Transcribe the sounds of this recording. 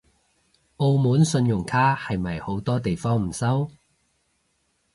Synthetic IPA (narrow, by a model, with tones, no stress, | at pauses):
o˧wmuː˨˥nsɵ˧njʊ˨˩ŋkʰaː˥hɐ˨jmɐ˨˩jho˨˥wt̪ɔː˥t̪e˨jfɔː˥ŋm̩˨˩sɐ˥w